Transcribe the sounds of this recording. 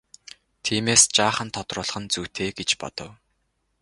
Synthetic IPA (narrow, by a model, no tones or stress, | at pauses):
t̪ʰiːmeːst͡ɕaːχə̆nt̪ʰɔt̪rʊːɮ̆χə̆nt͡sut̪ʰeːɡet͡ɕpɔ̰t̪ɞ̆w